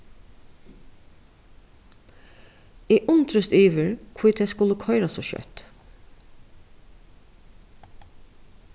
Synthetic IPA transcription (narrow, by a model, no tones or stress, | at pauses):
ɛʔʊnt̪ɾəst̪iːʋɪɹkʰvuːt̪ʰɛːskʊləkʰɔʏɾasɔʃœ̰t̪